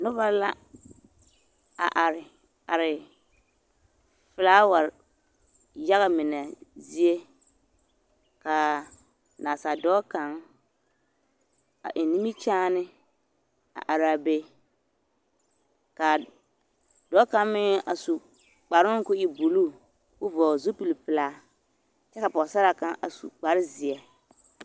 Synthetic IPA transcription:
nʊ˦βa˦la˦ | a̰˨ʔa˨ɾɪ˨ | a˨ɾɪ˨ | fɪ˨laː˦wa˨ | ja˦ɣa˨mɪ˨nɛ˨zi˦e˦ | ka˨ | naː˨sa˨dɔː˦ka˨˦ŋ | a̰˨ʔɪ˨ni˦mi˦t͡ʃaː˦nɪ˦ | a̰˨ʔa˨ɾa˨be˦ | ka˨ | dɔ˦ka˦ŋmɪ˦ŋa˨su˨ | k͡pa˨ɾɪ˦ŋ˦kʊ˦ɪ˦bu˨luː˦˨ | kʊ˦vɔː˨zu˦pi˨lpɪ˨la˨˦ | t͡ʃɛ˦ka˨pɔ˨sa˦ɾa˨ka˦ŋʔa̰˨sṵ˨k͡pa˨ɾɪ˦zɪ˨ɛ˨

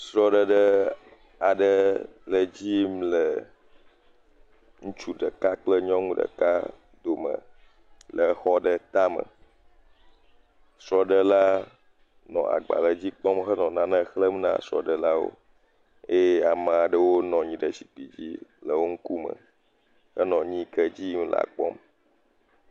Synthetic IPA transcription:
sɾɔ˦ɖə˦ɖə˦ | a˨ɖə˨lə˨d͡ʑi˦mlə˨ | ŋũ˦t͡ʃu˦ɖə˨ka˦k͡plə˦ɲɔ̃˦ŋũ˦ɖə̰˨ka˦ | d̪o˨mə̰̃˨ | lə˨xɔ˦ɖə˨t̪a˦mə̰̃˨ | sɾɔ˦ɖə˦la˦ | nɔ̰̃˨a̰˨ɡ͡ba̰˨lə˨d͡ʑi˦k͡pɔ˦mxə˦nɔ̃˨nã˨nə̃˦xlə˦m˦nã̰˨sɾɔ̰˨ɖə˨la˦wo̰˦ | e˦je˦a˨mã˨a˨ɖə˦wo˦nɔ̃˨ɲĩ˨ɖə˨si̥˨k͡pi˨d͡ʑḭ˦lə˨wo˦ŋ̩˦ku˦mə̰̃˨ | xə˦nɔ̃˨ɲĩ˦kə˦d͡ʑi˦m˦l̰a̰˨k͡pɔ̰˦m

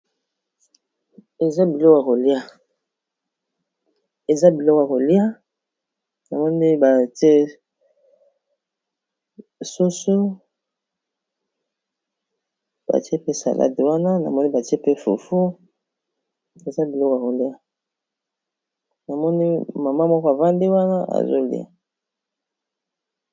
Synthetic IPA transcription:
e˨za˦bi˨lɔ˦ka˨ko˨li˦a˦ | e˨za˦bi˨lɔ˦ka˨ko˨li˦a˦ | na˨mɔ˦ni˦ba˨te˦ | so˦so˦ | ba̰˨ti˦e˦pe˦sa̰˨lʔa̰˦de˨wa˦na˦na̰˨mɔ˦ni˦ba˨ti˦e˦pe˦fṵ˨fu˦ | e˨za˦bi˨lɔ˦ka˨ko˨li˦a˦ | na˨mɔ˦ni˦ma˨ma˦mɔ˦kɔ˦a˨va˦ndi˦wa˦na˦a̰˨zo̰˦lḭ˦a̰˨

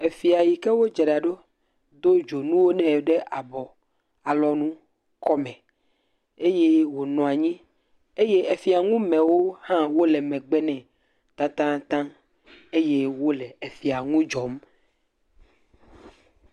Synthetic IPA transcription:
e˨fi˨a˨ji˨kɛ˦wo˦d͡ʒɛ˨ɖa˨ɖo˦ | d̪o˦d͡ʒo˨nũ˦wo˦nɛ̃˨ɖɛ˦ʔa˨bɔ˨ | a˨lɔ˦nũ˦ | kɔ˦mɛ̃˨ | e˦je˦wo˨nɔ̃˨a˨ɲĩ˦ | e˦je˦e˨fi˨a˨ŋũ˦mɛ̃˨wo˦hã˦wo˦lɛ˨mɛ̃˨ɡ͡bɛ˦nɛ̃˨ | t̪a˦t̪ã˦t̪ã˦ | e˦je˦wo˦lɛ˨e˨fi˨a˨ŋũ˦d͡ʒɔ˨m

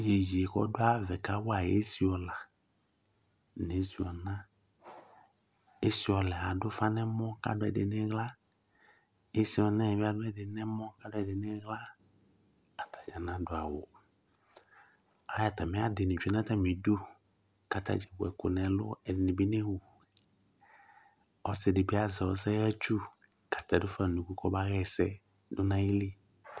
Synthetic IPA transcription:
d͡ʒe˨d͡ʒi˨e˨kɔ̰˦dʊ˦a˦vɛ˨ka˨˦wʊ˦a˨je˦si˦ɔ˨la˨ | nẽ˨˦si˨ɔ˨nã˦ | e˦si˦ɔ˨lɛ˨a˨dʊ˦fa˦nɛ˦mɔ̃˦ka̰˦dʊ˦ɛ̰˨dɪ˨nɛ̃˦ɣla˦ | e˦si˦ɔ˨nã˦ɛ˨va˦dʊ˦ɛ˨dɪ˨˦nɛ˦mɔ̃˦ka˦dʊ˦ɛ˨dɪ˨nɛ˦ɣla˦ | a˨tʰḁ˨d͡ʒa˨nã˨˦dʊ˨a˨wʊ̰˨ | a˦ja˨ta˨mɛ˦a˦dɪ˨nɪ˨d͡ʒu˨ɛ˨nã˦ta˦mĩ˨du˦ | ka˨tʰa̰˨d͡ʒɛ˨bʊ˨ɛ˨kʊ̰˨nɛ˨lʊ̰˦ɛ˨dɪ˨nɪ˨bi˦nɛ˦wu˨ | ɔ˨sɪ˨dɪ˨bi˦a˦zɛ˨wɔ˦sɛ˦ɣa˦t͡ʃu˦ | kḁ˨ta˨dʊ˦fa˦˨nũ˨ku˦kʰɔ˦ba˦ɣɛ˦˨sɛ̰˦ | dʊ˦nã˨ji˦li˦

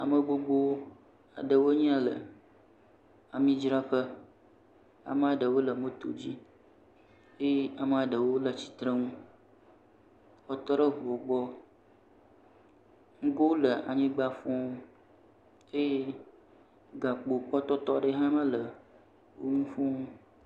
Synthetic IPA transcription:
a˨mə˨ɡ͡bo˦ɡ͡bo˦ | a̰˨ɖə˨wo˦ɲĩ˦ã˦lə̰˨ | a˨mĩ˦d͡ʒɾa˦ɸə˦ | a̰˨mə˦a˨ɖə˨wo˦lə˨mə˦t̪o̰˨d͡ʑi˦ | e˦je˦a˨mə˨a˨ɖə˨wo˦lə˨t͡ɕi̥˨t̪ɾə˦ŋũ˦ | kɔ˦t̪ɔ˦ɾə˦ɦo˨ɡ͡bɔ˦ | ŋ̩˦ɡo˦lə˨ʔa̰˨ɲĩ˦ɡ͡ba˦fɔ̃˦ | e˦je˦ | ɡa˨k͡po˨k͡pɔ˦t̪ɔ˦t̪ɔ˦ɖə˦ɦã˦mə˦lə˨ | wʔo̰˦ŋũ˦fũ˦ŋu˦

